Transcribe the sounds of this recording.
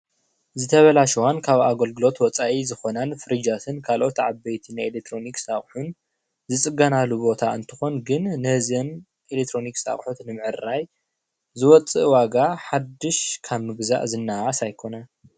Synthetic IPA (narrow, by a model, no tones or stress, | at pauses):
zɨt̪ʰɐβɐlaʃwankʰaβaɡɐlɡɨlo̞t̪wɔt͡sʼaʔizɨxo̞nanfɨɾɨd͡ʒat̪ʰɨnkʰalʔo̞t̪ʕabɐjt̪ʰinaelek̚t̪ʰɾo̞niksaχʼħun | zɨt͡sʼɨɡanalubo̞t̪ʰaɨnt̪ʰɨ̥xo̞nɡɨnːɐhɨzɨn | ʔelek̚t̪ʰɾo̞niksa̰χʼħut̪nɨmɨʕɨɾaj | zɨwɔt͡sʼɨʔwaɡaħad̪ːɨʃkʰaβmɨɡza̰ʔzɨnːaasajkʰo̞na